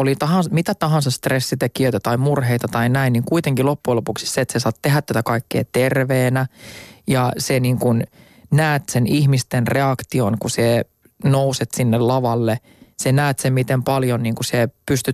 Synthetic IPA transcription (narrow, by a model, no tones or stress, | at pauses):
olit̪ɑɦɑnmit̪æt̪ɑɦɑnsɑst̪resːit̪ekiøit̪æt̪ɑimurɦeit̪ɑt̪ɑinæinːiːŋkuit̪eŋkilopːuelopuksi̥sseːt̪sesɑːt̪t̪eɦæt̪ːæt̪ækɑikːḛːt̪erʋeːnæjɑseniːŋkun | næːt̪senihmist̪enreɑkt̪ionkuse | nouset̪sinːellɑʋɑlːe | senæːt̪semmit̪empɑljonniːŋkusepyst̪y